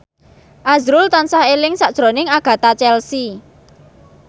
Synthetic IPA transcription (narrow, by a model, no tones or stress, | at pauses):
ʔazɾʊlt̪ansahelɪŋsaʔd̥ʒ̥ɾo̤nɪŋaɡ̥a̤t̪at͡ʃɛlsi